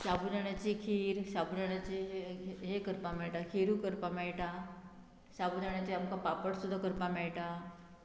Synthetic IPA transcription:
sabudaɳjat͡ɕikʰiːɾsabudaɳjat͡ɕiɦekəɾpamɛɭʈakʰeɾuːkəɾpamɛɭʈa | sabudaɳ̃jat͡ɕiamkapapəɽsud̪ʱːakəɾpamɛɭʈa

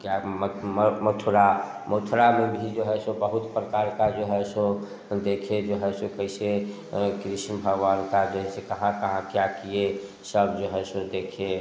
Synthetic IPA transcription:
kjamməmət̪ʰɾa | mot̪ʰɾamebʱid͡ʒeɦɛsõbəɦut̪pɾəkaɾkad͡ʒeɦɛsõ | d̪ekʰed͡ʒoɦɛsõkəise | kɾisnəbʱəɡʋankad͡ʒeɦɛsekəɦãkəɦãkjakie | səbd͡ʒoɦɛsõd̪ekʰe

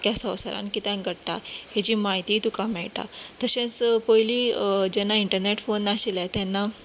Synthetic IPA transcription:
kjasəwsəɾa̰nkit̪ãnɡəɽʈ̪a̰het͡ɕiːmaɦit̪iːt̪ukamɛɭʈa̰t̪əɕẽt͡spojliːd͡ʑɛnːaiɳʈəɾneʈfonːaɕelat̪jɛnːa

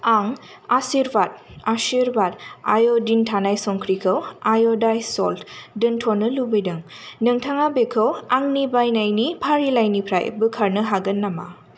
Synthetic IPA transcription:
aŋ | asiɾbat̚asiɾbata̰jodintʰanajsɔŋkʰɾikʰɯwajodajsɔltʰdɯntʰonːɯlubɯjdɯŋnɯŋtʰaŋabekʰɯwaŋnibajnajnipʰaɾilajnipʰɾa̰j̰bɯkʰaɾnɯɦaɡɯnːama̰

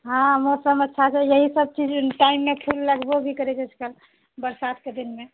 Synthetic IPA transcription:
ɦãmoɾsəməːʃʰat͡ʃʰɛjəɦisəb̚t͡ʃid͡ʒʈaimːepʰilːəɡbobʱikəɾɛd͡ʒɛt͡ʃʰkəl | bəɾsat̪ked̪inme

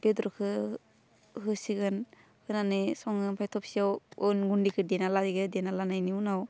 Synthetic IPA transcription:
b̥edɾɔkʰɯ | ɦɯsiɡɯn | hɯnanɯsɔŋɯnpʰajtʰɔp̚siawɯnɡundikʰɯdenaladiɡɯdenalanajniunaw

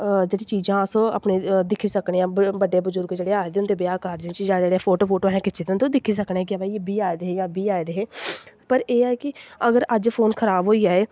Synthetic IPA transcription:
d͡ʒeːɽiːt͡ʃiːzãːsõːa̰ːpneːd̪ɪkʰiːsəkɳeːãːbəɖeːbʊzʊɾkd͡ʒeːɽeːaːed̪eːʊnd̪eːbɪjaːkaɾd͡ʒẽːt͡ʃd͡ʒãːd͡ʒeːɽeaːpʰoːʈoːpʰoːʈoːɦɛ̃ːkɪt͡ʃʰed̪nt̪õːd̪ɪkʰiːs̬əknɛːkɪaːbaːibiːaːed̪eːeːjãːbiːaːed̪eːeːpəɾeːɛːkɪəɡəɾəd͡ʒpʰoːnkʰəɾaːbɦoːiːaːeː

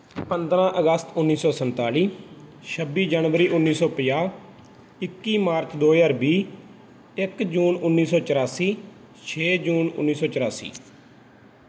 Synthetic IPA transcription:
pənd̪ɾãːʔəɡəst̪ʊnːiːsɔːsənt̪aːliːʃəbiːd͡ʒəːnʋəɾiːʔʊnːiːsɔːpəjaː | ɪkːiːmaːɾt͡ʃd̪oːjaːɾbiː | ɪkd͡ʒuːnʊnːiːsɔːt͡ʃəɾaːsiː | t͡ʃʰeːd͡ʒuːnʊ̰nːiːsɔːt͡ʃəɾaːsḭː

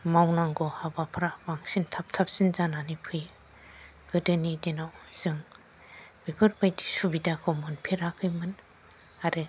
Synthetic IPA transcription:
mawnaŋɡɔhabapʰɾabaŋsintʰap̚tʰap̚sinzananipʰɯj | ɡ̥ɯdɯnidenawz̥ɯŋ | bepʰɯɾpʰajdisubidakʰɯwmɯnpʰeɾakʰɯjmɯn | aɾɯ

